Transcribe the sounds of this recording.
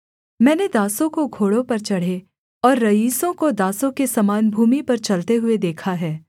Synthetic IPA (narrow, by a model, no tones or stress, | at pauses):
mɛ̃ːned̪aːsõkoɡʱoːɽõpɐɾt͡ʃɐɽ̤e | ɔːɾːɐiːsõkod̪aːsõkesɐmaːnbʱuːmipɐɾt͡ʃɐlt̪eɦʊed̪eːkʰaɦɛː